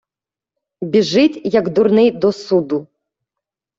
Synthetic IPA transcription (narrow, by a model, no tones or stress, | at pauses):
bʲiʐɨt͡sʲjɐɡd̪uɾnɪjd̪ɔsud̪u